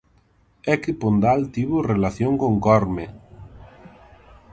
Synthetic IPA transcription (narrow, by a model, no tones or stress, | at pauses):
ɛkɪpond̪alt̪iβʊrelaθjoŋkoŋkɔɾme